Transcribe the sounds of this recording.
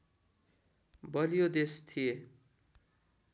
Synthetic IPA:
bʌlijod̪est̪ʰije

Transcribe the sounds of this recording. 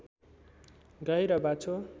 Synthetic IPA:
ɡʌjɾʌbat͡sʰo

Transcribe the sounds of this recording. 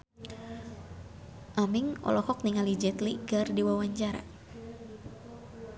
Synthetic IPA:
ʔamiŋɔ̰lɔhɔk̚niŋalid͡ʒɛt̪liɡardiwawaɲt͡ʃaɾa̰

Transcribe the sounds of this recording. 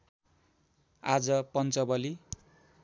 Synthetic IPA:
ad͡zʌpʌnt͡sʌbʌli

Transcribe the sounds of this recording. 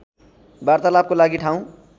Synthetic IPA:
baɾt̪alab̚kolaɡiʈʰaũ

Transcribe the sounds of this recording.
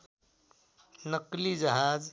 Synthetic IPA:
nəklid͡ʒəɦaːd͡ʒ

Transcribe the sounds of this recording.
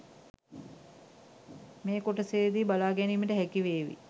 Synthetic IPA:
meːkoʈəseːd̪iːbalaːɡɛniːməʈəɦækiʋeːʋḭ

